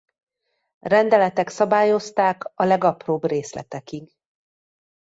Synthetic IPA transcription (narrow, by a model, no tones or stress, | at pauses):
rɛnd̪ɛlɛt̪ɛksɒbaːjo̞st̪aːkɒlɛɡɒproːbreːslɛ̰t̪ɛkiɡ